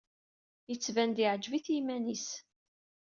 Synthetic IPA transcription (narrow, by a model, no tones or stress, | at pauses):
jət͡sːvænd̪iʕəd͡ʒviθimænis